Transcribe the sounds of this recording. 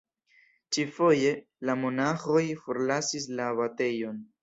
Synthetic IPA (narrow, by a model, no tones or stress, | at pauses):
t͡ʃifo̞je̞ | lamo̞naxo̞jfo̞ɾlasis̬laːβate̞jo̞n